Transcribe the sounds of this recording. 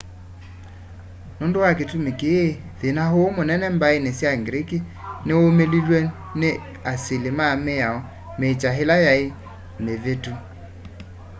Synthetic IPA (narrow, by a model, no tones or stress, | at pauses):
nondowaketumekeeðenaɦoːmonɛnɛmbaenesjaŋɡɾiki | neomelilwɛ | ne | asilemameaɔ | meːt͡ʃaɦelajae | mevetu